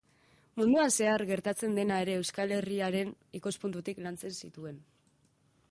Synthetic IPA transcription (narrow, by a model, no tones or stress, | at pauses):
mund̪uanse̞aɾɣe̞ɾt̪at͡se̞nd̪e̞nae̞ɾe̞ːwskale̞riaɾe̞n | ikospunt̪ut̪iklant͡se̞nsit̪ue̞n